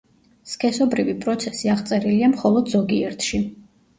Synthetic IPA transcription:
skʰʼɛsɔbɾivipʼɾɔt̪sʰɛsiaʁt̪sʼɛɾiliamχɔlˠɔd̪zɔɡiɛɾt̪ʰʃi

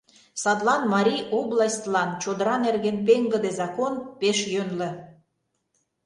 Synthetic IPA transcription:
sɑd̪lɑnmɑɾʲijoblɑsʲt̪lɑnt͡ɕod̪əɾɑnerɣenpeŋɡə̆d̪ezɑkonpeʃjønlə̆

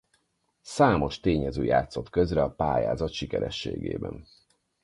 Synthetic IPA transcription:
saːmo̞ʃt̪eːɲɛzøːjaːt̪so̞t̪køzrɛɒpaːjaːzɒt̪ʃikɛɾɛʃːḛːɡḛːbɛ̰n

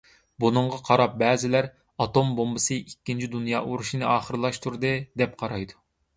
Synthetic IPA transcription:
bunɨɴʁɑqʰɑɾɑp̚bɛːzɪlæɾ | ɑt̪ombombɨsɨʔikʲːint͡ʃʰid̪unjɑːʔuɾuʃinɨɑːχəɾɨlˠɑʃt̪ʰuɾd̪ɨd̪ɛp̚qʰɑɾɑjd̪u

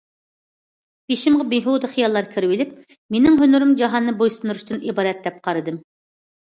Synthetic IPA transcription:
beʃimʁɑbeɦud̪ɨχijɑlˠːɑɾkʲʰiɾɪwɪlɪp̚ | menɪŋɦønyɾɨmd͡ʒɑɦɑnːɨbojsund̪uɾuʃt̪ɨnibɑːɾɛt̪̚d̪ɛp̚qʰɑɾɨd̪ɨm

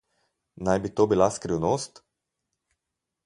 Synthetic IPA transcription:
najbit̪obilaskɾiwnost̪

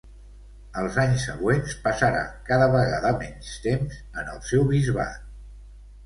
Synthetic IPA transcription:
əlˠzaɲsːəɣwenspəsəɾa̰kaðəβəɣa̰ðəmɛɲst̪emzənə̰lˠsɛwβizβa̰t̪

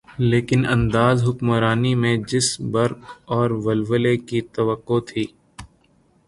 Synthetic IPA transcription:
leːkɪnɐ̰̃nd̪aːzɦʊkmɾaːnimẽd͡ʒɪsbɐɾkɔːɾʋɐlʋəlekit̪ɐʋəqːot̪ʰiː

